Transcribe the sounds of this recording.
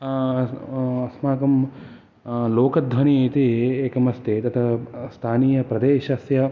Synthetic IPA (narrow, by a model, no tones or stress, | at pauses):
ɐsmaːkɐm | loːkɐd̪ʱʋɐnit̪ieːkɐmɐst̪ʰet̪ɐt̪ʰɐst̪ʰaːniːjɐpɾɐd̪eːʃɐsjɐ